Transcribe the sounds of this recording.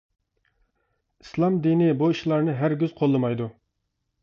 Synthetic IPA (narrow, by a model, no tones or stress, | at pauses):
i̥slˠɑmd̪inɪbuiʃlˠɑɾnɨɦæɾɡʲyz̥qʰolˠːɨmɑjd̪u